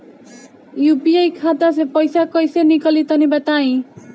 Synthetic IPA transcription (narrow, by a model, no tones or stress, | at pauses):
jupiajkʰat̪as̬epɔjsakɔjsenikʌlit̪ʌnibat̪aĩ